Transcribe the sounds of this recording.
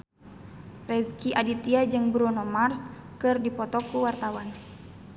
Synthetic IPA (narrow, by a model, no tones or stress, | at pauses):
rɛzkiʔadit̪iad͡ʒɨŋbɾunɔmarskɨrdipɔt̪ɔkuwart̪awan